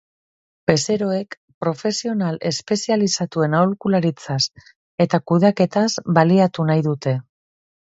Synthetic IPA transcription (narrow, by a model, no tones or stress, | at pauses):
be̞se̞ɾo̞e̞k | pɾo̞fe̞sio̞nale̞spe̞sialisat̪ue̞nawlkulaɾit͡sas | e̞t̪akuðake̞t̪azbaliat̪unajðut̪e̞